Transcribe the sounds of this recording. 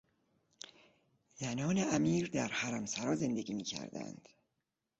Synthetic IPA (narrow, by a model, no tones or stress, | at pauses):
zænɒːneæmiːɾd̪æɾhæɾæmsæɾɒːze̞nd̪eɡʲiːmiːcʰæ̰ɾd̪æ̰nd̪̥